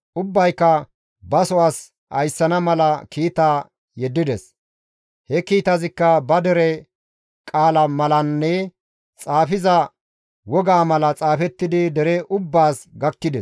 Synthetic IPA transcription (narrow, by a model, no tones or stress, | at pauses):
ʔʊbːɐjkːɐ | bɐsɔwaːs | ʔɐjsːɐnɐmɐlɐkiːt̪aː | jɛd̪ːɪd̪ɛs | hɛkiːt̪ɐzɪkːɐbɐd̪ɛɾɛ | kʼaːlɐmɐlɐnːɛ | t͡sʼaːfɪzɐ | wɔɡaːmɐlɐt͡sʼaːfɛt̪ːɪd̪ɪd̪ɛɾɛʔʊbːaːsɡɐkːɪd̪ɛs